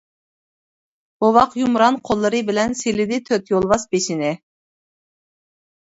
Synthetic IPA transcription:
owɑqjumɾɑnqʰolˠːɨɾɨbɪlɛnsilɪd̪ɪt̪ʰøt̪jolˠvɑsbeʃinɪ

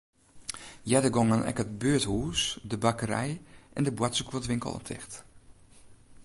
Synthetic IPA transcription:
jɛdəɡɔŋənʔɛ̰kət̚bøəthuːsdəbakəɾɛ̰jʔɛ̰ndəbwatsəkuətʋɪŋkə̰l̩ˠɔ̰ptʰɪ̰xt

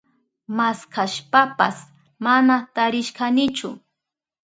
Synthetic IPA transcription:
maskʰaʃpapa̰s | manat̪aɾɪʃkanɪt͡ʃʊ̰

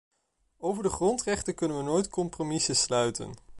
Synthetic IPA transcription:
owvəɹdəχrɔntrɛχtəkɵnənʋənoːjtkɔmpromɪsəslœɥtə̰n

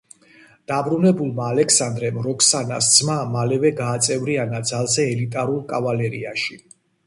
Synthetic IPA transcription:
d̪̥abɾunɛbulˠmaːlɛksand̪ɾɛmɾɔkʰsana̰sd̪z̥mamalɛvɛɡaːt̪sʼɛvɾianad̪zalˠzɛːlit̪ʼaɾulˠkʼavalɛɾiaʃi

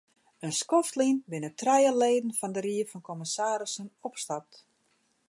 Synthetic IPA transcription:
ənskɔftlinbɪnətrɛjəleːdən̩fɔndəɾiəfɔnkoməsaːɾəsənɔpstap̚t

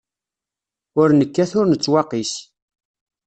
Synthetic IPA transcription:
ʊɾnəkːæθʊɾnət͡sːwɑqis

